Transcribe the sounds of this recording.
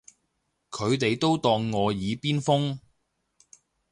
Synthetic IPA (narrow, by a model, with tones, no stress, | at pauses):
kʰɵ˨˧ɥt̪e˨jt̪o˥wt̪ɔː˧ŋːɔː˨˧jiː˨˧piː˥nfʊ˥ŋ